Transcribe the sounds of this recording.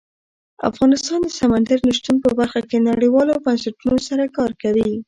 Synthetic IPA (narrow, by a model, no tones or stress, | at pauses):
a̰fɣɑnɪst̪ɑnd̪əsamand̪aɾnʊʃt̪umpəbaɾxakenaɽiwɑlobansaʈunosaɾakɑɾkawi